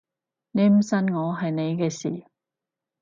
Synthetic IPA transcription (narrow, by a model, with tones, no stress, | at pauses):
ne˨˧jm̩˨˩sɐ˧nŋɔː˨˧ɦɐ˨jne˨˧jkɛː˧sḭː˨˩